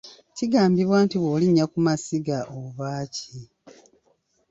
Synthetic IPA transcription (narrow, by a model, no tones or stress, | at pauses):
ciɡaːmbiβwaːntiβwoːliɲːakumasiɡaʔoβaːci